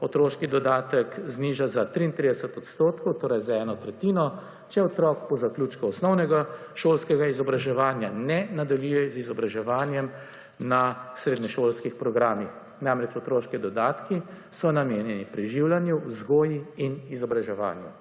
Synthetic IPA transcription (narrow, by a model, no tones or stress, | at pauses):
ɔt̪ɾoːʃkid̪ɔd̪aːt̪əkzniːʒazat̪ɾiːnt̪ɾid̪ɛsɛt̪ɔt̪st̪oːt̪kɔwt̪oːɾajzaɛːnɔt̪ɾɛt̪iːnɔ | t͡ʃɛɔt̪ɾɔːkpɔzakluːt͡ʃkuɔsnɔwnɛɡa | ʃoːlskɛɡaizɔbɾaʒɛʋaːnjanɛnad̪aljujɛzizɔbɾaʒɛʋaːnjɛm | nasɾeːd̪nɛʃoːlskixpɾɔɡɾaːmix | namɾɛt͡ʃɔt̪ɾoːʃkid̪ɔd̪aːt̪ki | sɔnameːnjɛnipɾiʒiwlanjuzɡoːjiinizɔbɾaʒɛʋa̰ːnjṵ